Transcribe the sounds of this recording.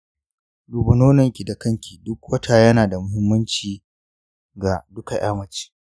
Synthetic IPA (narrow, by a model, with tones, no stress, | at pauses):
duː˨bɐ˨noː˦nɐ˨ŋkʲi˨da˨kɐ˦ŋkʲi˨dʊ˦kwɐ˦tʰa˨jɐ˦naː˨da˨mʊ˦ɦɪ˦mːɐ˦nt͡ʃiː˨ | ɡa˨dʊ˦ka˨j̰a̰ː˦mɐ˨t͡ʃi̥ː˨